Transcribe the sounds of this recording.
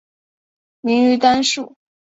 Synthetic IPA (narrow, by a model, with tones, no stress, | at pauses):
mi˧˥ŋy˧˥t̪a˥nʂu˥˩